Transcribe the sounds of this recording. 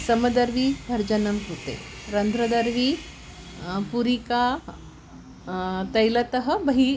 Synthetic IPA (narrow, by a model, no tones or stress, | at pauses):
səməd̪əɾʋibʱɐɾd͡ʑənəmkɾut̪ḛɾɐnd̪ʱɾəd̪əɾʋi | puɾika | t̪əjlət̪əɦəbəɦi